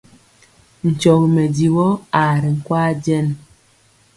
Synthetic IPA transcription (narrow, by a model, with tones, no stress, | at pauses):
n̩˨t͡ʃɔ˨ɣme˨di˨wɔ˦a˨ɾi˨ŋ̩˦˨kwaː˦d͡ʒɛ˦˨n